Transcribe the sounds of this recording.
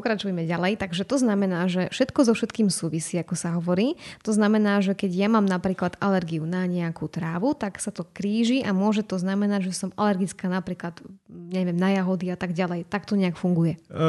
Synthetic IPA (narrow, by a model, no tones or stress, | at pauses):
ppɔkɾat͡ʃujmɛɟalɛjt̪aɡʒɛt̪ɔznamɛnaːʒɛfʃɛt̪kɔzɔfʃɛt̪kiːmsuːʋisiːakɔsaɦɔʋɔɾiːt̪ɔznamɛnaːʒɛkɛɟjamaːmnapɾiːklad̪alɛɾɡiunaɲɛakut̪ɾaːʋut̪aksat̪ɔkɾiːʒiʔamʊɔʒɛt̪ɔznamɛnaɟʒɛsɔmalɛɾɡit͡skaːnapɾiːklad̪ɲɛʋɪɛmnajaɦɔd̪iat̪aɡɟalɛjt̪ak̚t̪ɔɲɛakfuŋɡujɛ